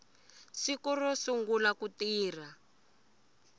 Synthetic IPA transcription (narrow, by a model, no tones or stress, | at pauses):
sikurɔsuŋɡulakutiːra